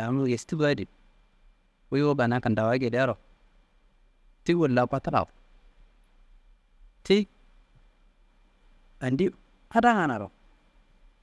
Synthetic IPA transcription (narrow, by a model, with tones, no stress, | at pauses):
a˨mu˦˨je˨sti˦ba˦di˨ | wo˦jwo˦ba˨na˦ka˨nda˨wa˦ɡe˨di˦ja˦ɾo˨ | ti˦wo˨lla˨kʷa˦ta˦la̰˨ | te˦ | a˨ndi˦ | ha˦da˦ŋa˨na˨ɾo̰˨